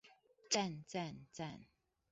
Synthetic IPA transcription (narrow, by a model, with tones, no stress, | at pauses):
t͡sa˥˨nt͡sa˥˨nt͡sa˥˨n